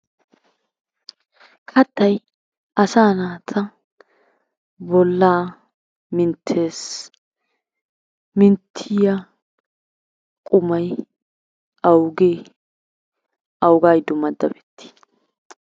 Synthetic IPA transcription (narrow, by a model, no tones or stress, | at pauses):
kʰɐt̪ːɐj | ʔɐsaːnaːt̪ʰɐ | bɔlːaː | mɪnt̪ʰːeːs | mɪnt̪ʰːɪjɐ | kʼʊmɐj | ɐwɡeː | ʔɐwɡaːjd̪ʊmɐd̪ːɐbɛ̥t̪ːɪ̥